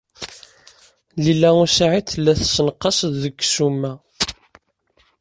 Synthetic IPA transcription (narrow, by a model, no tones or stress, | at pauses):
lilæʊsaʕiθlːæθsənəqːɑsðəɡːsumːæ